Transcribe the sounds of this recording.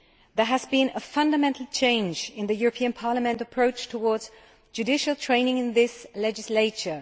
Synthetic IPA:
ðə˞ɨzbĩnəfʌ̃ndəmɛ̃ntʰˡl̩ˠt͡ʃʰẽɪ̃nd͡ʒɪ̃nðɨjʊɹəpʰĩɨ̃npʰɑɹləmɛ̃ntəpʰɹ̥oʊt͡ʃtʰəwɔɹdz̥ | d͡ʒʉdɪʃl̩ˠtʰɹ̥ẽɪ̃nɪ̃ŋɨ̃nðɪslɛd͡ʒɨsleɪt͡ʃə˞

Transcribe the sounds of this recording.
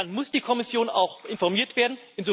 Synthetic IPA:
nmʊsd̥iːkʰɔmɪsjoːna̰ʊxʔɪnfɔɐmiːɐtv̥eːɐdn̩ʔɪnzoː

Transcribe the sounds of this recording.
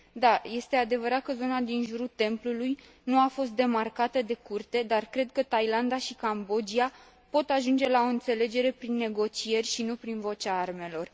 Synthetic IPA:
d̪aje̞st̪e̞ad̪e̞vəɾat̪̚kəzo̞nad̪inʒuɾut̪e̞mpluluj | nuafo̞s̬t̪̚d̪e̞markat̪əd̪e̞kurt̪e̞d̪arkɾe̞d̪̚kət̪ajland̪aʃikambo̞d͡ʒia | po̞t̪aʒund͡ʒe̞lao̞ɨnt̪se̞le̞d͡ʒe̞ɾe̞pɾinːe̞ɡo̞t͡ʃije̞rʲʃinupɾinvo̞t͡ʃaarme̞lo̞r

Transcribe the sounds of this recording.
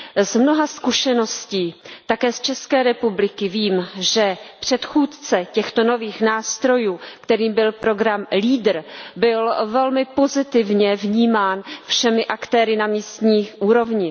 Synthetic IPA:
zmno̞ɦaskuʃɛno̞sciːt̪akɛːst͡ʃɛskɛːɾɛpublɪkɪviːmʒɛpr̝̥ɛt̪xuːt̪t͡sɛcɛxt̪ono̞viːxnaːst̪ɾo̞juːkt̪ɛɾiːmbɪlpɾo̞ɡɾamliːdr̩bɪlvɛlmɪpo̞zɪt̪ɪvɲɛvɲiːmaːnfʃɛmɪʔakt̪ɛːɾɪnamiːst̪ɲiːʔuːɾo̞vɲɪ

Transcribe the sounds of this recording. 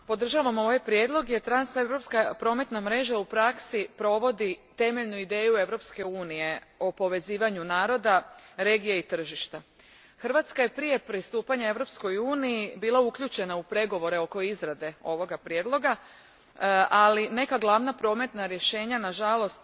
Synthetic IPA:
po̞d̪r̩ʒaʋamo̞ʋajpɾje̞d̪lˠo̞ɡje̞t̪ɾansevɾo̞pskapɾo̞ːme̞t̪namɾe̞ːʒaupɾaksipɾo̞ʋo̞d̪it̪e̞meʎnuid̪e̞ːjue̞ʋɾo̞pske̞uːnije̞o̞po̞ʋe̞ziːʋaɲunaːɾo̞d̪aɾe̞ɡijeit̪r̩ʒiʃt̪a | xrʋat̪skaje̞pɾije̞pɾist̪uːpaɲae̞ʋɾo̞p̪sko̞juːnijibiːlˠaukʎut͡ʃe̞naupɾe̞ɡo̞ʋo̞ɾe̞o̞ko̞izɾad̪e̞o̞ʋo̞ɡapɾjed̪lˠo̞ɡa | ʔaline̞kaɡlˠaʋnapɾo̞ːme̞t̪naɾje̞ʃe̞ːɲanaʒalo̞st̪

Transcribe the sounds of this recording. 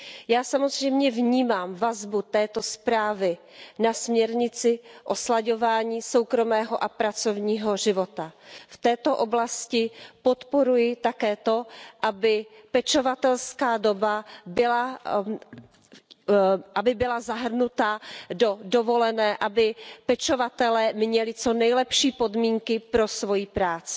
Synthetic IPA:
jaːsamo̞zr̝ɛjmɲɛvɲiːmaːmvazbut̪ɛːt̪o̞spɾaːvɪ | nasmɲɛɾɲɪt͡sɪʔo̞slaɟo̞vaːɲiːso̞wkɾo̞mɛːɦoʔapɾat͡so̞vɲiːɦo̞ʒɪvo̞t̪aft̪ɛːt̪o̞ʔo̞blascɪpot̪po̞ɾujɪt̪akɛːt̪o̞ʔabɪpɛt͡ʃovat̪ɛlskaːdo̞babɪla | ʔabɪbɪlazaɦr̩nut̪ado̞dovo̞lɛnɛːʔabɪpɛt͡ʃo̞vat̪ɛlɛːmɲɛlɪt͡so̞nɛjlɛpʃiːpo̞dmiːŋkɪpɾo̞svo̞jipɾaːt͡sɪ̥

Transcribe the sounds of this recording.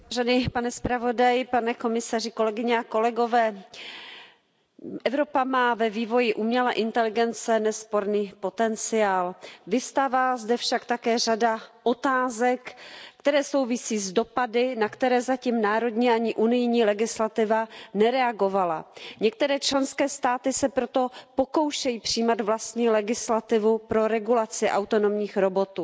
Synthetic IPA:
ʒɛnɪpanɛspɾavo̞dajɪpanɛko̞mɪsar̝ɪko̞lɛɡɪɲɛako̞lɛɡo̞vɛː | ʔɛvɾo̞pamaːvɛviːvo̞jɪʔumɲɛlaʔɪnt̪ɛlɪɡɛnt͡sɛnɛspo̞ɾniːpo̞t̪ɛnt͡sɪaːlvɪst̪avaːzdɛfʃakt̪akɛːr̝adaʔo̞t̪aːzɛkːt̪ɛɾɛːso̞wvɪsiːzdo̞padɪnakt̪ɛɾɛːzaciːmnaːɾo̞dɲiːʔaɲɪʔunɪjɲiːlɛɡɪslat̪ɪvanɛɾɛaɡo̞vala̰ɲɛk̚t̪ɛɾɛːt͡ʃlɛnskɛːst̪aːt̪ɪsɛpɾo̞t̪o̞poko̞wʃɛjiːpr̝̥iːmad̪vlast̪ɲiːlɛɡɪslat̪ɪvupɾo̞ɾɛɡulat͡sɪʔawt̪o̞no̞mɲiːxɾo̞bo̞t̪uː

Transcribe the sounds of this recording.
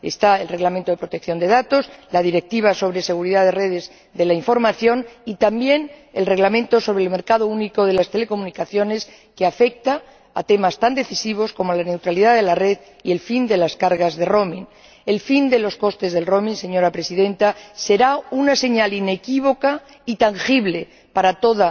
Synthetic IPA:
est̪aelre̞ɣlament̪o̞ðepɾo̞t̪e̞k̚θjo̞nd̪e̞ðat̪o̞slað̞iɾe̞k̚t̪iβ̞aso̞β̞ɾe̞se̞ɣ̞uɾiðaðere̞ðe̞z | ðe̞laiɱfo̞ɾmaθjo̞nit̪ambje̞ne̞lre̞ɣlamẽ̞nt̪o̞so̞βɾelme̞ɾkað̞ouniko̞ðe̞last̪e̞le̞ko̞mũnikaθjo̞ne̞s | keafe̞k̚t̪a | a̰t̪e̞mast̪and̪e̞θisiβ̞o̞sko̞molane̞wt̪ɾaliðaðe̞lare̞ð | ie̞lfind̪e̞laskaɾɣazðe̞ro̞mĩn | e̞lfind̪e̞lo̞sko̞st̪e̞zðe̞lro̞mĩnse̞ɲo̞ɾapɾe̞siðẽ̞nt̪ase̞ɾaunase̞ɲaline̞kiβ̞o̞ka | it̪aŋxiβle̞ | paɾat̪o̞ða

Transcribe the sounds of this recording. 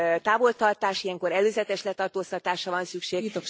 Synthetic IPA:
t̪aːvo̞lt̪ɒrt̪aːʃijɛŋko̞ɾɛløːzɛt̪ɛʃlɛt̪ɒrt̪oːst̪ɒt̪aːʃɒvɒnsykʃeːit̪ok

